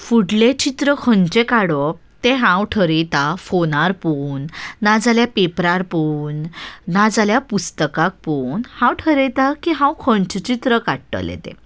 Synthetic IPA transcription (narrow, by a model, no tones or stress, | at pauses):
fuɽlet͡ɕit̪ɾəkʰəɳt͡ɕekaɽɔ | t̪eɦãwʈʰəɾet̪afonaɾpuːnːad͡zaljapepɾaɾpunːad͡zaljapust̪əkak̚punhãwʈʰəɾet̪akiɦãwkʰəɳt͡ɕt͡ɕit̪ɾəkaʈʈə̰lḛt̪ḛ̃